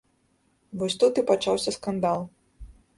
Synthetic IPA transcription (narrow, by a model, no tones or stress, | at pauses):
vɔsʲt̪ut̪ɨpat͡ʂawsʲɐskand̪alˠ